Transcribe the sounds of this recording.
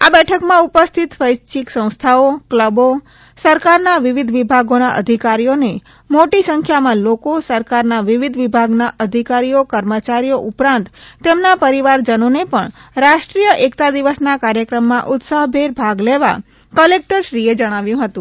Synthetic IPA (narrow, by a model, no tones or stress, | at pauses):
abɛʈʰəkmãupəst̪ʰit̪fəjt͡ʃiksə̃w̃st̪ʰaokləbo | səɾkaɾnaʋiʋid̪ʱʋibʱaɡonaʔə̰d̪ʱikaɾijone | moʈisəŋkʰjamãlokosəɾkaɾnaʋiʋid̪ʱʋibʱaɡnaʔəd̪ʱikaɾijokəɾmət͡ʃaɾijoʔupɾãnt̪t̪ːemnapəɾiʋaɾd͡ʒənonepəɳɾaʃʈɾijəʔekt̪ad̪iʋəsnakaɾjəkɾəmːãʔʊt̪saɦbʱeɾbʱaɡleʋa̰ | kəlek̚ʈəɾʃɾied͡ʒəɽ̃aʋjũɦət̪ũ